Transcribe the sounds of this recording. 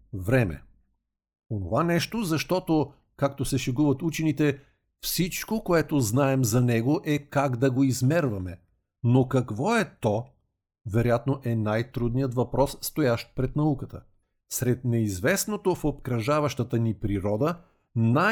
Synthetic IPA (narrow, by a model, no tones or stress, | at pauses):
vɾɛmɛ̰ | ono̰vanɛʃt̪ozɐʃt̪ɔt̪o | kak̚t̪osɛʃɛɡuvɐt̪ut͡ʃɛnit̪ɛ | fsit͡ʃkokoɛt̪oznaɛmzɐnɛɡoʔɛkaɡd̪ɐɡoizmɛɾvɐmɛ | nokɐkvɔɛt̪ɔ | vɛɾojat̪noʔɛnajt̪ɾud̪nijət̪vɐpɾɔsːt̪ojaʃt̪̚pɾɛt̪nɐukət̪ə | sɾɛt̪̚nɛizvɛsnot̪ofopkɾɐʒavɐʃt̪ət̪ənipɾiɾɔd̪ə | na